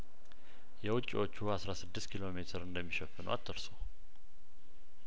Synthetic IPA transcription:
jɛwʊt͡ʃʼːḭwo̞t͡ʃːuasɾasɨd̪ːɨst̪kʰilo̞me̞t̪ʰɨɾɨnd̪əmːiʃəfːɨnə̰wa̰t̪ʰːəɾso

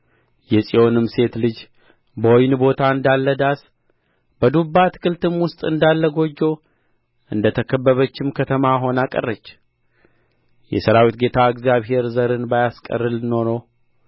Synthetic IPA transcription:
jɛsʼio̞nɨmse̞t̪lɨd͡ʒ | bəwojnbo̞t̪ʰaɨnd̪alːəd̪as | bəd̪ubːat̪ʰɨ̥kʰɨlt̪ʰɨmwʊst̪ʼɨnd̪alːəɡo̞d͡ʒːo | ʔɨnd̪ət̪ʰəkʰəbːəβət͡ʃːɪmkʰət̪ʰəmaɦo̞nakʼə̰rːət͡ʃː | jɛ̰səɾawit̪ɡe̞t̪ʰaɨɡzjaβɦe̞ɾzəɾɨnbajaskʼə̰rːɨlno̞now

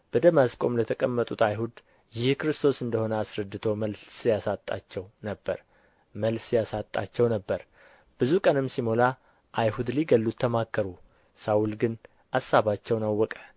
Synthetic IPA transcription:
b̥əd̪əmaskʼo̞mlət̪ʰəkʼəmːət̪ʼut̪ʰajhud̪ | jɪhkɨɾɨst̪ʰo̞sɨnd̪əho̞nəasɾəd̪ːɨt̪ʰo̞məlsjasat̪ʼːa̰t͡ʃːɛwnəbːəɾ | məlsjasat̪ʼːa̰t͡ʃːɛwnəbːəɾ | b̥ɨzukʼənɨmsimo̞la | ʔajhud̪liɡəlːut̪ʰːəmakːəɾu | sawulɡɨn | ʔasːaβat͡ʃːɛwnawːɔkʼə̥

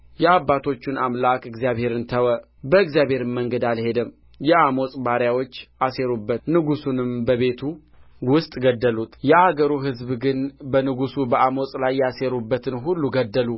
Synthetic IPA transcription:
jɛabːat̪ʰo̞t͡ʃːɪnamlakɨɡzjaβhe̞ɾɨnt̪ʰəwə | bəɨɡzijaβhe̞ɾɨmmːəŋɡəd̪alhe̞d̪ɨm | jɛamo̞sʼbaɾjawo̞t͡ʃːʔase̞ɾubːət̪nɨɡusunɨmbəβe̞t̪ʰu | wʊst̪ʼɡəd̪ːəlut̪jɛaɡəɾuɦɨzbɡɨnbənɨɡusubəʔamosʼlajːase̞ɾubːət̪ʰɨnɦulːuɡəd̪ːəlu

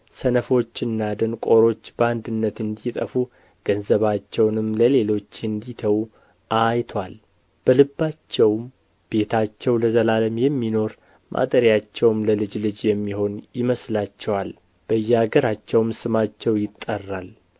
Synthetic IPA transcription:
sənəfo̞t͡ʃːɨnːad̪ənkʼo̞ɾo̞t͡ʃːbəand̪ɨnːət̪ɨnd̪it̪ʼəfu | ɡ̥ənzəβat͡ʃːɛwnɨmləle̞lo̞t͡ʃːɨnd̪it̪ʰəw | ʔajt̪ʰwal | b̥əlɨbːat͡ʃːɛwm | b̥e̞t̪ʰat͡ʃːɛwləzəlaləmjɛmːino̞ɾ | mʔa̰t̪ʼəɾjat͡ʃːɛwmləlɨd͡ʒlɨd͡ʒjɛmːiho̞njɪməslat͡ʃːɛwal | b̥əjːɛaɡəɾat͡ʃːɛwmsɨmat͡ʃːɛwjɪt̪ʼːərːal

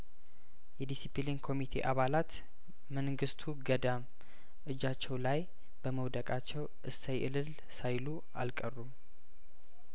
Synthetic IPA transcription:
jɛd̪isipilinkʰo̞mit̪ʰe̞̰ʔaβalat̪ | mənɡɨst̪ʰuɡəd̪am | ʔɨd͡ʒat͡ʃːɛwlaj | b̥əməwd̪əkʼat͡ʃːɛwʔɨsajʔɨlɨl | sajlu | alkʼərːum

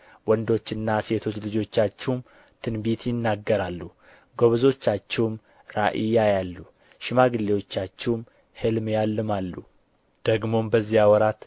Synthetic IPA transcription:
wɔnd̪o̞t͡ʃːɨnːase̞t̪ʰo̞t͡ʃːlɨd͡ʒo̞t͡ʃːat͡ʃːɛwm | t̪ʰɨnbit̪jɪnːaɡːəɾalːu | ɡoβzo̞t͡ʃːat͡ʃːɛwm | ɾaʔijajalːu | ʃɪmaɡɨlːewo̞t͡ʃːat͡ʃːɛwm | hɨlmjalːɨmalːu | d̪̥əɡmo̞mbəzːijawɔɾat̪

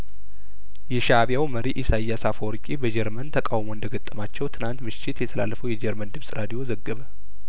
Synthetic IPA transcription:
jɛʃaβjawməɾiʔisajasafoɾkʼibəd͡ʒɛɾmənt̪ʰəkʼawmoɨnd̪əɡət̪ʼːəmat͡ʃːɛwt̪ʰɨnant̪mɨʃːɪt̪jɛt̪ʰəla̰lːəfəwjɛd͡ʒɛɾmənd̪ɨmsʼɾad̪ijo̞zəɡːəβə

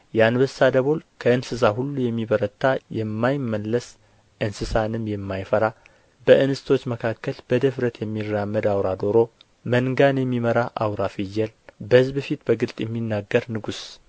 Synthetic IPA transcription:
janbəsːad̪əβo̞lkʰəɨnsɨs̬aɦulːujɛmːiβəɾət̪ʰːajɛmːajɪmːəlːəs | ʔɨnsɨsanɨmjɛmːajfəɾa | b̥əʔɨnɨsɨt̪ʰo̞t͡ʃːməkʰakːəlb̥əd̪əfɾət̪jɛmːirːamːəd̪awɾad̪oɾo̞ | mənɡanjɛmːiməɾaʔawɾafijːɛlbəhɨzbəfit̪bəɡɨlt̪ʼjɛmːinːaɡːəɾnɨɡus

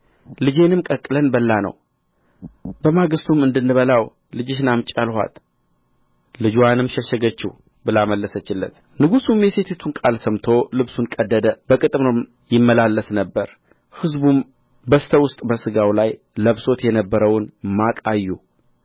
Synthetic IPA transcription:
lɨd͡ʒe̞nɨmkʼəkʼːɨlənbəlːanə̰w | bəmaɡɨst̪ʰumɨnd̪ɨnːɨβəlaw | lɨd͡ʒɪʃnamt͡ʃʼalhʷa̰t̪ | lɨd͡ʒwanɨmʃɛʃːɛɡət͡ʃːih | bɨlaməlːəsət͡ʃːɪlːə̰t̪ | nɨɡusumjɛse̞t̪ʰet̪ʰunkʼalsəmt̪ʰo̞lɨβsunkʼəd̪ːəd̪əbəkʼɨt̪ʼmnəm | jɪmːəlalːəsnəbːəɾ | hɨzbum | bəst̪ʰəwʊst̪ʼbəsɨɡawlaj | ləβso̞t̪jɛnəbːəɾəwnmakʼajːu

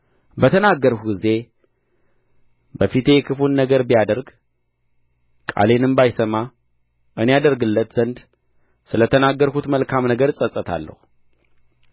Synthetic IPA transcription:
bət̪ʰənaɡːəɾhuɡɨze̞ | bəfit̪ʰe̞jɛkʰɨfunːəɡəɾbijad̪əɾɡ | kʼa̰le̞nɨmbajsəma | ʔɨne̞jad̪əɾɡɨlːət̪z̥ənd̪ | sɨlət̪ʰənaɡːəɾhut̪məlkʰamnəɡəɾsʼəsʼət̪ʰa̰lːə̰hu

